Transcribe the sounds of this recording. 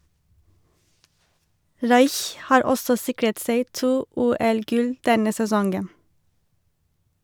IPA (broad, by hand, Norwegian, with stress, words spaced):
ˈɹɑɪç ˈhɑːɹ ˈɔsɔ ˈsɪkɹət ˈseɪ ˈtuː ˈuːɛlˌɡʉl ˈdɛnə sɛˈsɔŋɡən